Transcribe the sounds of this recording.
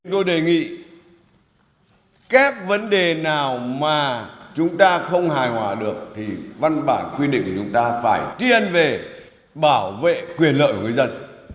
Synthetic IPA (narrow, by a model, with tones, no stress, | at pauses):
ŋt̪o˧jɗe˨˩ŋḭ˧˨ | kaː˦˥k̚və˨˦nɗe˨˩naː˨˩wmaː˨˩t͡ɕʊ˨˦ŋ͡mt̪aː˧xə˧wŋ͡mhaː˨˩jhwaː˨˩ɗɨ˨˩ək̚t̪ʰi˨˩va˧nɓa̰ː˧˨nkwi˧ɗḭ˧˨ŋ̟kːt͡ɕʊ˨˦ŋ͡mt̪aː˧faː˧˩jt̪i˧ənve˨˩ | ɓaː˧˩wvḛ˧˨kwi˨˩ənlə̰ː˧˨kwŋɨ˨˧˩jzə˧n